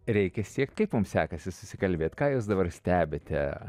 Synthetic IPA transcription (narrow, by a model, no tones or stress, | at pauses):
ɾʲɛɪkʲɛsʲiɛk̚t̪ʲkɐɪpmʊmsʲæːkɐsʲɪsʊ̥sʲɪkɐlʲbʲeːt̪ʲkɑːjuːs̬d̪ɐbɐrsʲt̪ʲæːbʲet̪ʲɛ̰